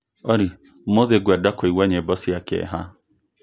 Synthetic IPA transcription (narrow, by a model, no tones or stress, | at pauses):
ɔɾi | moðeɡwɛdakoiwaɲɛbɔsiakɛ̰ɦa